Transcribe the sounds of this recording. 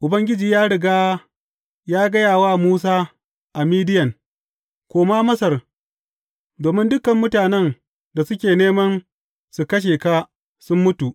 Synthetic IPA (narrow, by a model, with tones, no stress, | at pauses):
ʔʊ˨bɐ˦ŋɡʲɪ˦d͡ʒiː˨jaː˦ɽɪ˨ɡaː˦ | jaː˦ɡɐ˦jaː˨waː˦muː˦s̬aː˦ | ʔa˨miː˦dɪ˦jɐ˨ŋ | kʷoː˨maː˦mɐ˦sɐ˨r | doː˨mɪ˦ndʊ˦kːɐ˨mːʊ˦taː˨nɛ˦n | da˨sʊ˦kʲeː˨neː˦mɐ˦n | su˨kɐ˦ʃ̬eː˨kaː˦ | sʊ˦mːʊ˦tu˨ʔ